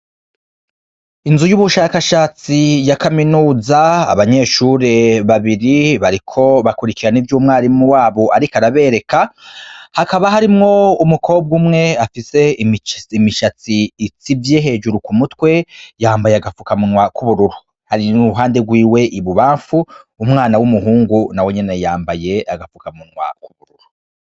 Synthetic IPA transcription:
inzujuβuʃakaʃaːt͡sijakaminuːzaa̰βaɲe̞ːʃuɾe̞βaβiɾiβaɾikʰo̞βakuɾikiɾanivjuːmŋaːɾimuwaːβo̞ʔaɾikaɾaβe̞ːɾe̞ka | hakaβaɦaɾimŋo̞umukʰo̞ːb̚ɡuːmŋe̞afise̞imːmiʃat͡siːt͡sivjeɦe̞ːd͡ʒuɾukumutwe̞jaːmbajeaɡafukamunŋwakuβuɾuɾu | haɾinuuɦaːndeɡwiːwe̞ʔiβuβaːɱfuːmŋaːnawumuɦuːŋɡunawe̞ɲe̞ne̞jaːmbaje̞aɡafukamunŋwa̰kuβuɾuɾu

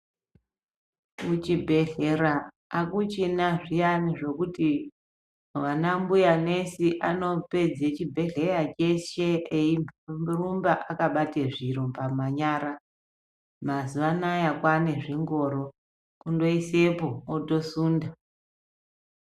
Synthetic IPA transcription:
ut͡ʃibʱeɮeɾa | akut͡ʃinaʐijaniʐe̞kuti | ʋanambujanesiʔano̞pe̞d͡zet͡ʃibʱe̞ɮerat͡ʃeʃeeirumbaʔakaɓateʐiɾombamaɲaːɾa | mazuʋanajakwane̞ʐiŋɡo̞ɾo̞ | kundo̞isepo̞ːto̞suːnda

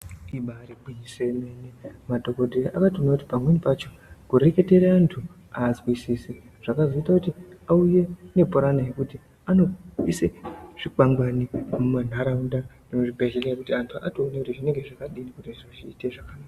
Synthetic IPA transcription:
iɓaːɾibʱiɲisemenemadʱo̞ko̞dʱeʔakationakuti̥pamwenipat͡ʃo̞ | kuɾe̞ke̞teɾeantʰu | aːzwisisi | ʐ̥akazoitakutiauje̞ne̞poɾanajekuti | ano̞iseʐ̥ik͡paŋɡwanimuman̤aɾaundaʐ̥inoʐibʱeɮeleekutiantʰuʔa̰toːnekutiʐine̞ŋɡeʐakaɗinikuteʐoʐiːteʐakanaːka

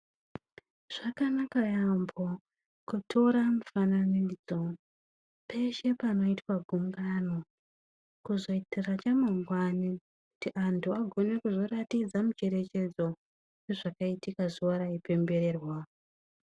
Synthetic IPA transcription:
ʐ̥akanakajambo | kutʰo̞ɾamufananid͡zo̞ | pʰe̞ʃe̞pano̞itwaɡʱumɡano̞ | kuzo̞itirat͡ʃamaŋɡwani | ku̥tiʔantʰuaɡʱo̞ne̞kuzo̞ratid͡zamut͡ʃe̞ɾe̞t͡ʃe̞d͡zo̞ | jeʐakaitikaʐiwaɾaipe̞mbe̞ɾe̞ːrwa

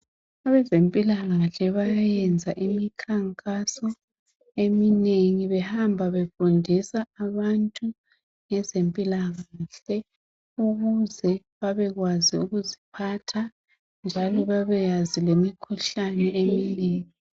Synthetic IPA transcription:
aβɛzempʼilaɣaɬɛβajajɛnd͡zʱaʔimikʰaŋkʼasɔ | emineŋiβɛhambʱaβefundʱisaːβantʼu | ŋɛzempʼilaɣaɬɛ | uɣuzɛ | βaβɛɣwaziuɣuzipʰatʰa | nd͡ʒʱalɔβaβɛjazilemikʰuɬanɛemineːŋi

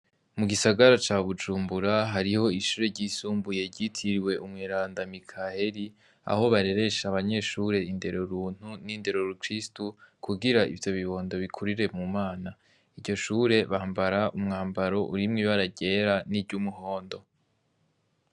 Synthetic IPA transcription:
muɡisaɡaɾat͡ʃaːβud͡ʒuːmbuɾaɦaɾiho̞iʃuːɾe̞ɾɟisuːmbuje̞ɾɟitʰiɾiwe̞ʔumŋiːɾaːndamikʰahe̞ɾi | a̰ho̞βaɾe̞ɾe̞ʃaβaɲe̞ʃuːɾe̞inde̞ɾo̞ɾuːn̥huninde̞ɾo̞ɾukɾistukʰuɡiɾaḭvjo̞βiβo̞ːndo̞βikʰuɾiɾe̞mumaːna | ivɟo̞ʃuːɾe̞βaːmbaɾaʔumŋaːmbaɾo̞ʔṵɾimŋiβaɾaɟe̞ɾaniɾɟumuɦo̞ːndo̞

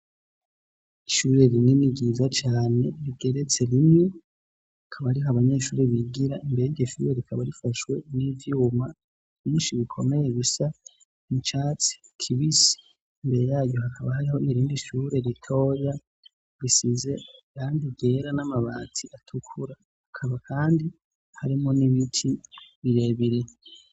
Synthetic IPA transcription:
iʃuːɾe̞ɾineniɡizat͡ʃaːne̞ɾiɡe̞ɾe̞t͡se̞ɾimŋe | akʰaβaɾiɦaβaɲe̞ːʃuːɾeβiɡiɾaimbeɾeɟeʃuːɾeɾikʰaβaɾifaʃwe̞nivjuːma | β̥jiːnʃiβikʰo̞me̞jeβisa | mut͡ʃaːt͡si̥ | kʰiβisi̥ː | mbe̞ɾe̞jaːɟjo̞hakʰaβahaɾiho̞iɾiːndiʃuːɾe̞ɾitʰo̞ːja | βisize̞kaːndiɟe̞ɾanamaβaːtʰiʔatʰukʰuɾa | hakʰaβakʰaːndi | haɾimoniβitʰiβiɾe̞βiɾe̞

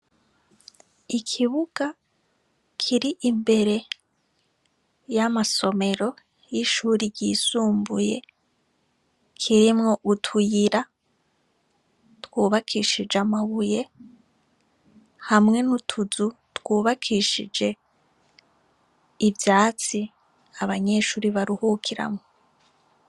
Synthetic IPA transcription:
ikʰiβuɡ̥a | kʰiɾiʔimbe̞ɾe̞ | jamaso̞me̞ɾo̞ | jiʃuːɾiɾɟiːsuːmbuje̞ | kʰiɾimŋo̞ʔutʰujiɾa | twuːβakʰiʃid͡ʒamaβuje̞ | hamŋe̞nutʰuzu | twuːβakʰiʃḭd͡ʒe̞ | ivjaːt͡si | aβaɲe̞ːʃuːɾiβaɾuhukʰiɾa̰mŋo

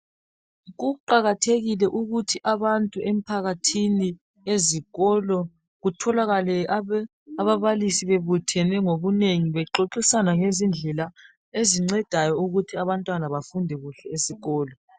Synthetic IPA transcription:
ɣuǃaɣatʰeɣilɛʔuɣutʰiʔaβantʼuʔem̩pʰaɣatʰini | eziɣɔlɔ | ɣutʰɔlaɣalɛ | aβaβalisiβeβutʰɛnɛŋoβuneŋiβɛǃoǁisanaŋezind͡ɮʱɛla | eziŋ͡ǀɛd̥ʱajɔuɣutʰiaβantʼwanaβafundʱɛɣuɬɛesiɣɔːlɔ

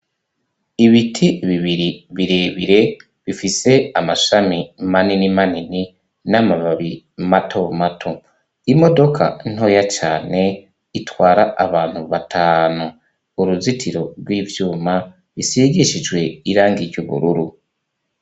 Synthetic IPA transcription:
iβitʰiβiβiɾiβiɾeːβiɾe̞ | βifise̞amaʃamimaninimanini | namaβaβi | matʰo̞matʰo̞ | imo̞do̞kʰa̰in̥ho̞jat͡ʃaːne̞ | itwaːɾaaβaːn̥huβatʰaːnu | uɾuzitʰiɾo̞ɾɡwiːvjuːma | βisiɡiʃid͡ʒɡwe̞iɾaːŋɡiɾjuβṵɾuɾu

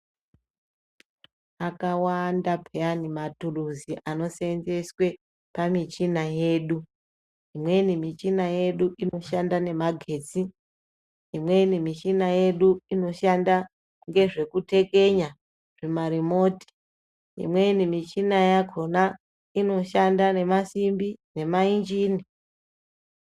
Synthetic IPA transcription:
akawandapʰeanimaturuziʔano̞seenzeswe̞ | pamit͡ʃinaje̞ːɗu | imwe̞nimit͡ʃinaje̞ɗuʔino̞ʃandane̞maɡʱe̞ːt͡si | imwe̞inimit͡ʃinaje̞ɗuino̞ʃanda | ŋɡe̞ʐe̞kute̞ke̞ɲa | ʐ̥emaɾimo̞ːti̥ | ḭmwe̞nimit͡ʃinajakʰo̞na | ino̞ʃandane̞masimbine̞maind͡ʒiːni

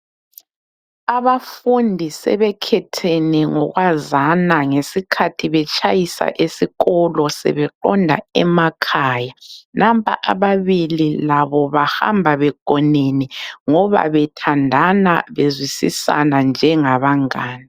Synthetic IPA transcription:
aβafundʱisɛ̰βɛkʰɛtʰɛnɛŋɔɣwazanaŋesikʰatʰiβɛt͡ʃʼajisa̰ʔesiɣɔlɔsɛ̰βɛǃɔndʱa̰ɛmakʰaːjanʔampʰʼa̰ʔaβaβililaβɔβaha̰mbʱaβɛɡ̥ʱɔnenɛŋɔβa̰βɛtʰandʱanaβezwisḭsa̰nand͡ʒʱɛŋaβaŋaːni

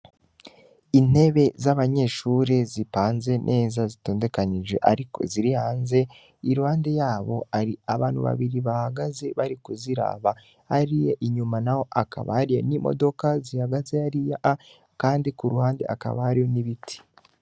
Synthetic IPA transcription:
in̥e̞βe̞zaβaɲe̞ʃuːɾezipaːnze̞nʔe̞ːzazito̞ːnde̞kaniʒwe̞̰ʔa̰ɾiko̞̰ziɾihaːnze̞ | iɾuhaːnde̞jaːβo̞aɾiaβaːn̥hṵβa̰βiɾiβahaɡaze̞βaɾikuziɾa̰ːβa | haɾije̞ʔiɲumanaho̞ʔaka̰βa̰ɾijḛnimo̰do̞kazihaɡaze̞aɾijaʔa | kaːndikuɾuhaːnde̞̰ʔaka̰βa̰haɾijo̞niβitʰi̥

